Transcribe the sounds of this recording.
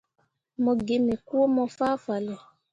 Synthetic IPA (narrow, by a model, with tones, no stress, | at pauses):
mɔ˧ɡe˨ne˨ku˦o˦mɔ˧faː˦fa˨lɛ˨